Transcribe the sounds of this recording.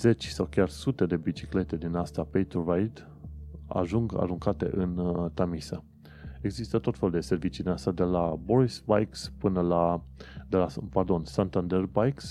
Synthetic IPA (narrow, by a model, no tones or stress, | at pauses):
ze̞t͡ʃʲsawkʲarsut̪e̞d̪e̞bit͡ʃi̥kle̞t̪e̞d̪inast̪apejt̪urajd̪ | a̰ʒuŋɡa̰ɾuŋkat̪e̞̰ʔɨnt̪amisə | e̞ɡzist̪ət̪o̞t̪fe̞lud̪e̞se̞rvit͡ʃid̪inasad̪e̞labo̞ɾisbajkspɨnəla | d̪elapard̪o̞nsant̪and̪erbajks